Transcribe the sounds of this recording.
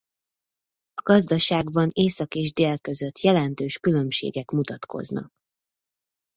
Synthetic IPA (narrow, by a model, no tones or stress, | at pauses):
ɒɡɒzd̪ɒʃaːɡbɒneːsɒkeːʒd̪eːlkø̞zø̞t̪jɛlɛnt̪øːʃkylø̞mʃḛːɡɛkmut̪ɒt̪kʰo̞̰znɒ̰k̚